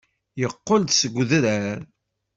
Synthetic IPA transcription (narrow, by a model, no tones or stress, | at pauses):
jəqːold̪səɡʷðəɾæɾ